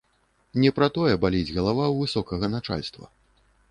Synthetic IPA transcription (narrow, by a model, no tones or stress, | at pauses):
nʲɛpɾɐt̪ɔjɛbalʲid͡zʲɣɐlˠavawvɨsɔkɐɣɐnat͡ʂa̰lʲst̪vɐ̰